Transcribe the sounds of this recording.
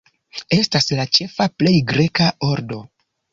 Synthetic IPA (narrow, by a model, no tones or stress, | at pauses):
e̞staslat͡ʃe̞faple̞jɡɾe̞kao̞ɾdo̞